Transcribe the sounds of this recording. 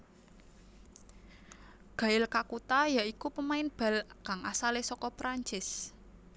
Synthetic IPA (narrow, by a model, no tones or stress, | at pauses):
ɡ̥a̤ɪlkakut̪ajaʔikupəmaɪnb̥a̤lkaŋʔasalɪsɔkɔpɾaɲt͡ʃɪs